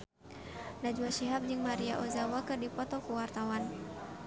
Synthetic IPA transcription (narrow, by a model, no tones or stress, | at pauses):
nad͡ʒuaʃiɦap̚d͡ʒɨŋmaɾiaʔɔzawakɨrdipɔt̪ɔkuwart̪awan